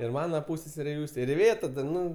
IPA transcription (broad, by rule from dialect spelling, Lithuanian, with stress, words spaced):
ɪr ˈmɑːnɐ ˈpuːsʲsʲɛsʲɛrʲeː ˈjuːsʲtʲeː ɪr ɪˈʋʲeːtɐ dɐ ˈnʊ